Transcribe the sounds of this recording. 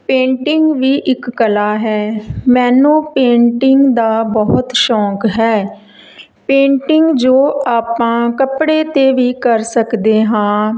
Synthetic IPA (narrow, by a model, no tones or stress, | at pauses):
pẽːɳʈɪŋɡʋiːʔɪkːəlaːɦɛːmɛːnũːpẽːɳʈɪŋɡd̪aːbɔɦʊt̪ʃɔːkɦɛː | pẽːɳʈɪŋɡd͡ʒoːaːpãːkəpɽeːt̪eːʋiːkəɾsəkd̪eːɦãː